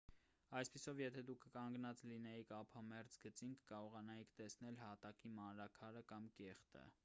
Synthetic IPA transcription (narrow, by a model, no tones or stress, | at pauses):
ɑjspisɔvjɛt̪ʰɛd̪ukʰːəkɑŋɡnɑt͡slinɛjikʰɑpʰɑmɛɾt͡sɡət͡sinkəkɑɾɔʁɑnɑjikʰt̪ɛsn̪ɛlhɑt̪ɑkimɑnɾɑkʰɑɾəkɑmkɛχt̪ə̰